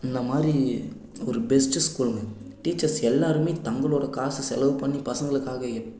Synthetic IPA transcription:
ɪnd̪ɐmaːd̪ɾi | ɔɾɯbɛsʈɯskuːlmɐ | ʈiːt͡ʃːɐɾsɛlːaːɾɯmeːt̪ɐŋɡɐɭoːɽɐkaːsɯsɛlɐʋɯpɐɳːipɐsɐŋɡɐɭɯkːaːɣɐɛ

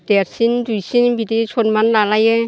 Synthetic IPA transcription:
deɾsindujsinbidisʰɔnmanlalaje

